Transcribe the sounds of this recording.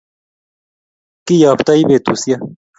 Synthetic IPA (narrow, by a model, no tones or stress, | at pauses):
kijaːpt̪aiːbeːt̪uːsija